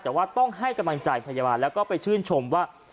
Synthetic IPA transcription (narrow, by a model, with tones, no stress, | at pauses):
t̪ɛː˨˩waː˥˩t̪ɔ˥˩ŋɦa˥˩jka˧mla˧ŋt͡ɕaː˧jpʰa˧ja˧baː˧nlɛː˦˥wkɔː˥˩pa˧jt͡ɕʰɯː˥˩nt͡ɕʰo˧mwaː˥˩